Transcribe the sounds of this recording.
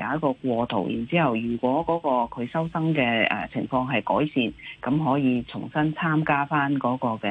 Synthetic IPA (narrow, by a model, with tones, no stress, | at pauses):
a̰ː˨˧˥jɐ˥t̚kɔː˧kʷɔː˧t̪ʰo̰˨˩wjḭː˨˩nt͡siː˥hɐ˨wjyː˨˩kʷɔː˨˥kɔː˨˥kɔː˧kʰɵ˨˧ɥsɐ˥wsɐ˥ŋkɛː˧ʔɛ̰˨˩t͡sʰɪ˨˩ŋfɔː˧ŋɦɐ˨jkɔ̰ː˨˥jsiː˨˧nkɐ˨˥mɦɔː˨˥jiː˨˧t͡sʰʊ˨˩ŋsɐ˥nt͡sʰaː˥mkaː˥faː˥nkɔː˨˥kɔː˧kɛ˧